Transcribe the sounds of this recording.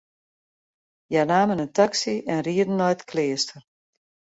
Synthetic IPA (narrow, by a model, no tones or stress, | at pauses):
janaːmənəntaksiɛnriədən̩ːɔjtkleːstər